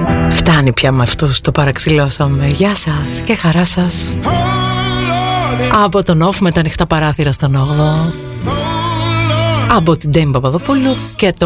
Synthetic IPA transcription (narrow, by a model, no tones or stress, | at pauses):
ft̪ɐnipçɐmɐft̪ust̪opɐɾɐksilosɐmeʝɐsɐsce̞xɐɾɐsɐs | ɐpot̪onofumet̪ɐnixt̪ɐpɐɾɐθiɾɐst̪o̞noɣðo | ɐp̬ot̪id̪embɐpɐðopuluce̞t̪o